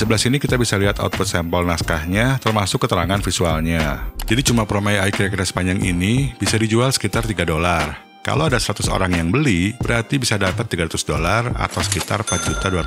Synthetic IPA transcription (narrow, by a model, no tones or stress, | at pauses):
səbəlasinikit̪abisaliɦat̪a̰ut̪̚put̪̚sɛmpɔlnaskahɲat̪ərmasʊkːət̪əɾaŋanfisualɲad͡ʒadit͡ʃumapɾomajaikiɾakiɾasə̥paɲd͡ʒaŋʔḭnib̥isadid͡ʒualsə̥kit̪art̪iɡadolar | ka̰lowadasəɾat̪ʊso̰ɾaŋjaŋbəlibəɾart̪ibisadapət̪ːiɡaɾat̪ʊsdolara̰t̪awsə̥kit̪a̰rpat̪̚d͡ʒut̪adua